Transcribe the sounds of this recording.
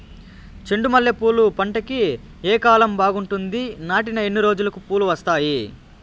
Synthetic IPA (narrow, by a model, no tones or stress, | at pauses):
t͡ʃe̞ɳɖumɐljɐpuːlupɐɳʈɐki | eːkaːlɐmbaːɡuɳʈund̪inaːʈinɐe̞nːiɾo̞ːd͡ʒulɐkupuːluʋɐst̪aːji